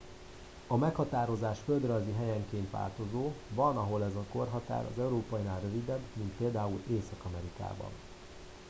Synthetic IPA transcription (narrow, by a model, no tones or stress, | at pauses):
ɒmɛkhɒt̪aːɾo̞zaːʃfø̞ld̪rɒjziɦɛjɛŋkeːnt̪ʋa̰ːlt̪o̞zoːvɒnɒɦo̞lɛzɒko̞rɦɒt̪a̰ːɾɒ̰zɛuɾoːpɒjinaːlrø̞vid̪ɛbmint̪̚peːld̪aːuleːsɒkɒmɛɾika̰ːbɒ̰n